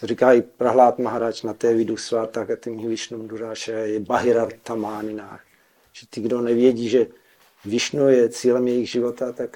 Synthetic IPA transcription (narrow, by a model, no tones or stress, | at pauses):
t̪orikaːipɾaɦlaːt̪maɦaɾat͡ʃnat̪ɛːvɪdusvaːt̪akat̪imivɪʃnumduɾaːʃɛjɛbaɦɪɾat̪amaːɲɪnaːx | ʒ̥ɛt̪ɪɡdonɛvjɛɟiːʒɛ | vɪʃnujɛt͡siːlɛmjɛjɪɣʒɪvot̪at̪ak